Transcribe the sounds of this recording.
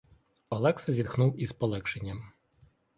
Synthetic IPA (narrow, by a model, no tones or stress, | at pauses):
ɔlˠɛksɐzʲirxnuwizpɔlˠɛkʃenʲːɐm